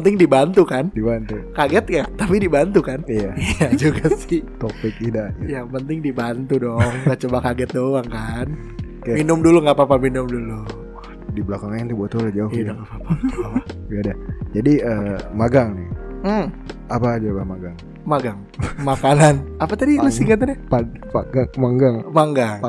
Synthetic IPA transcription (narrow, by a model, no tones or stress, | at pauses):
ənt̪ɪŋdibant̪ukandibant̪ukaɡɛt̪̚jat̪apidibant̪ukanijaiad͡ʒuɡasɪht̪opɪkidaɲajaŋpənt̪ɪŋdibant̪udɔŋɡat͡ʃobakaɡɛt̪̚dowaŋkan | kaminʊmduluŋapapaminʊmdulu | diblakaŋaɛnt̪ubuat̪olad͡ʒaʊdaŋapapaabadad͡ʒadiəmaɡaŋnɪhm̩apaːd͡ʒabamaɡaŋ | maɡaŋ | makananapat̪adilusiŋat̪̬anapapa̰ɡaŋmaŋɡaŋpaŋɡaŋa